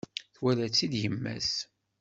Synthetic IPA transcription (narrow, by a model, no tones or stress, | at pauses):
θwælæt͡sːid̪jəmːæ̰s